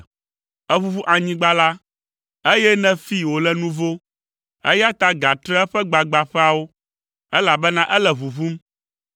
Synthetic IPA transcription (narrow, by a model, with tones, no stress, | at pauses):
ɛ˦vu˦vu˦ʔa˨ɲĩ˦ɡ͡ba˦la˦ | e˦jɛ˦nɛ̃˦fi˦wo˨lɛ˦nũ˦vo˦ | ḛ˦ja˦t̪a˦ɡa˨t̪ɾɛ˦ɛ˦ɸɛ˦ɡ͡ba˨ɡ͡ba˨ɸɛ˦a˨wo˦ | ɛ˦la˨bɛ˦nã˦ʔɛ˦lɛ˨vu˨vu˦m